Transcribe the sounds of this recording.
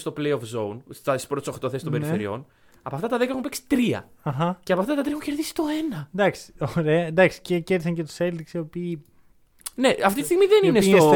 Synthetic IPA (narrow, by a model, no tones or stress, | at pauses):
st̪oplejofzo̞unst̪ɐispɾot̪soxt̪oθesist̪obeɾfeɾḭo̞̰n | ɐpoɐft̪ɐt̪ɐðekɐexumpeksi̥t̪ɾiɐ̰ɐxɐceɐpoɐft̪ɐt̪ɐt̪ɾiexuɲceɾðisi̥t̪o̞e̞nɐend̪ɐksi̥oɾe̞ɐend̪ɐksi̥ceceɾðisɐɲcet̪u̥seld̪iksio̞piː | neɐft̪it̪ist̪iɣmiðeniinest̪os